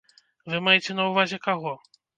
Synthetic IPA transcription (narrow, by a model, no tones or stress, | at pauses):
vɨmajɛt͡sʲɛnɐwvazʲɛkaɣɔ